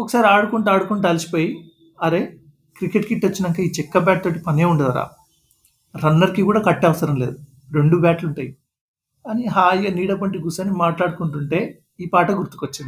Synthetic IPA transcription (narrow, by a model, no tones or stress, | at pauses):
ɔkɐ̥saːɾiaːɽukuɳʈuaːɽukunʈːɐlisi̥po̞ːji | ɐɾe̞ː | kɾikeʈkiʈːot͡ʃːinɐŋkaːiːt͡ʃɛkːɐbʲaːʈ̚t̪o̞ːʈipɐnie̞ːuɳɖɐd̪ɐɾa̰ː | ɾɐnːɐɾikikuːɽaːkɐʈːɛːʋɐsɐɾɐmleːd̪u | ɾeɳɖubaːʈluɳʈaːji | kaːniɦaːjɐniːɽɐp̬ɐɳʈiɡusɐnimaːʈlaːɽukuɳʈuɳʈe̞ː | iːpaːʈɐɡuɾt̪u̥kʋɐt͡ʃːind̪i